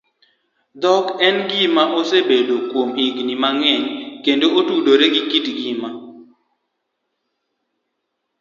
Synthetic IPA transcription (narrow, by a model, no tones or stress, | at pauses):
d̪ɔkɛnɡimaʔosebedokwomiɡnimaŋɛɲkendootudoɾeɡikitɡima